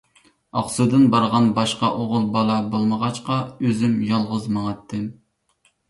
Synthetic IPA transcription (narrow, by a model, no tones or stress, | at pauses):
ɑχsud̪ɨnbɑɾʁɑnbɑʃqɑʔoʁʊlˠbɑlˠɑbolˠməʁɑt͡ʃqɑøzymjɑlˠʁəzmɑŋɑt̪ʰːɨm